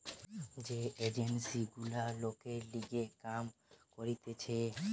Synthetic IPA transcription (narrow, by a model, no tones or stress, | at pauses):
d͡ʑeʔed͡ʑensiɡulalokeɾliɡekamkoɾit̪et͡ɕʰe